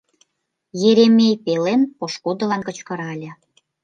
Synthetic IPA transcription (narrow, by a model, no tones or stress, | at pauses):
jeɾemʲejpelenpoʃkud̪ə̆lɑnkə̆t͡ɕkɤ̆ɾɑlʲĕ